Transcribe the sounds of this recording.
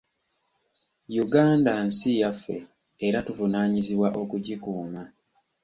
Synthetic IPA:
juɡaːndansijafːe̞̰ː | ɾatuvunaːɲiziβwaʔo̞kuɟikuːma

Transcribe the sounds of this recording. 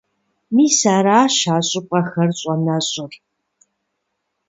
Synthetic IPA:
miːsaːɾaːʃaːɕʼɪpʼɐxɐrɕʼɔnɐɕʼʊr

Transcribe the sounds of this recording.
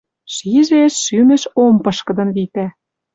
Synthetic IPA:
ʃiʒeʃːymɘ̆ʃompɤ̆ʃkɤ̆d̪ɤ̆nβit̪æ

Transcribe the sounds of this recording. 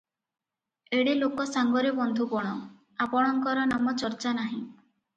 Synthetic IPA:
eɽilokɔsaŋɡɔɾebɔnd̪ʱupɔɽ̃ɔ | apɔɽ̃ɔŋkɔɾɔnamɔt͡ʃɔɾt͡ʃanaɦĩ

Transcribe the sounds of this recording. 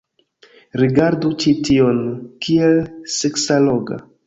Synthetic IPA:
ɾiɡaɾdut͡ʃitio̞nkʰielseksalo̞ɡa̰

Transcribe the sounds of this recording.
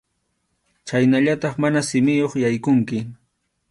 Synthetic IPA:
t͡ʃajnaʎat̪ɑχmanasɪmɪjoχjajkʊŋkɪ

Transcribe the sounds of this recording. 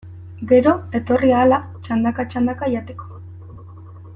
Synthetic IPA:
ɡe̞ɾo̞e̞t̪o̞riaːla | t͡ʃand̪akat͡ʃand̪akajat̪e̞ko̥

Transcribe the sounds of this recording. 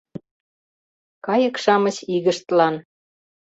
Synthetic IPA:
kɑjə̆kʃɑmə̆ɕiɣəʃt̪lɑn

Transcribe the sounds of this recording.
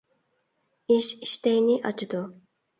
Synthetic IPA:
iʃi̥ʃt̪ɛjnɪʔɑt͡ʃʰɨd̪u

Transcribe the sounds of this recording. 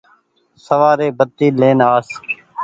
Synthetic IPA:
səʋaːɾeːbət̪ːiːleːnaːs

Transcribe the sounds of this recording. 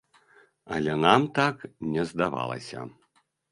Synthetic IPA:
ɐlʲɛnamt̪aknʲɛzd̪ava̰lˠɐ̰sʲɐ̰

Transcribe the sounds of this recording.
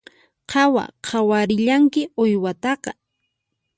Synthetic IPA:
qʰɑwa̰qʰawaɾɪʎaŋkɪojwat̪ɑqɑ

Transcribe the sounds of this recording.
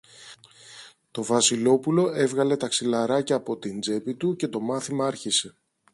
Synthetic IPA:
t̪o̞vɐsilo̞pulo̞e̞vɣɐle̞t̪ɐksilɐɾɐcɐːpo̞t̪ind͡ze̞pit̪uce̞t̪o̞mɐθimɐɐɾçise̞

